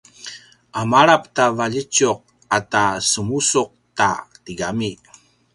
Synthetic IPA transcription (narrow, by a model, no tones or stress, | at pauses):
ʔamaɾap̚tavaʎət͡ɕʊq̚ | atasəmusuq̚ta̰tiɡami